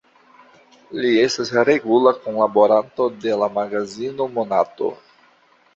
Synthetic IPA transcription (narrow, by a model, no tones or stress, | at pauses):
lie̞stasɾe̞ɡulakonlabo̞ɾanto̞de̞lamaɡazino̞monato̞̰